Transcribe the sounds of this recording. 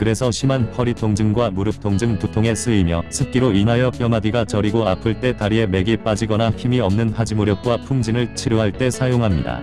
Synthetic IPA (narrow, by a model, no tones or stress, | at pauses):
kɯɾe̞sʰʌɕʰimanpʰʌɾitʰoŋd͡ʑɯŋɡwamuɾɯp̚tʰoŋd͡ʑɯŋputʰoŋe̞sʰɯimjʌsʰɯp̚k͈iɾoinajʌpkjʌmadiɡat͡ɕʌɾiɡoapʰɯɭt͈e̞taɾie̞me̞ɡiɭp͈ad͡ʑiɡʌnaçimiʌmnɯnhad͡ʑimoɾjʌk̚k͈wapʰuŋd͡ʑinɯɭt͡ɕʰiɾjuɦaɭt͈e̞sʰajoŋɦamɲḭda̰